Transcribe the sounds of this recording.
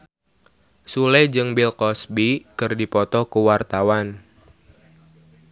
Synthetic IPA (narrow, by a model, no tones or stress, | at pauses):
sulɛd͡ʒɨŋbilkɔsbikɨrdipɔt̪ɔkuwart̪awan